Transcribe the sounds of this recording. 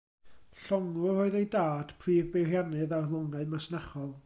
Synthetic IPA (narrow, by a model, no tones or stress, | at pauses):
ɬɔŋʊroɨðejdaːd̥pʰriːvbejrjanɨðarlˠɔŋaɨmasnaχɔlˠ